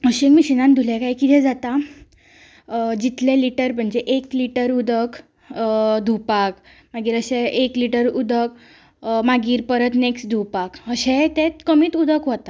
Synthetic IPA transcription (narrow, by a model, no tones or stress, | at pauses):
əɕekmiːɕinãnd̪ʱulekajkit̪ʰɛ̃d͡zat̪a | d͡ʑit̪leliʈəɾm̤əɳd͡ʑeʔekliʈəɾud̪ʱək | d̪ʱupak | maɡiːɾəɕeekliʈəɾud̪ʱək̚ | maɡiːɾpəɾət̪neksʈd̪ʱupakəɕet̪ẽt̪kəmiːt̪ud̪ʱəkʋot̪a